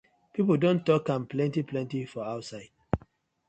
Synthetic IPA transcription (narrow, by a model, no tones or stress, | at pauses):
pipol̩dõntːɔkãnplɛ̃ntiplɛ̃ntifɔaʊtsaɪd̥̚